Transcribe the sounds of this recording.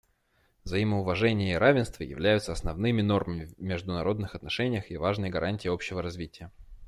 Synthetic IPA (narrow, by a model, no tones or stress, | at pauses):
vzɐiməʊvɐʐɛnʲɪjəiɾavʲɪnst̪və̰jɪ̰vlʲæjʊt̪səɐsnɐvnɨmʲɪno̞rməmʲɪvmʲɪʐd̪ʊnɐɾo̞d̪nɨxɐt̪nɐʂɛnʲɪjəxɪvaʐnɨjəɡɐɾʔanʲtʲɪːopɕːɪvəɾɐzvʲitʲɪjə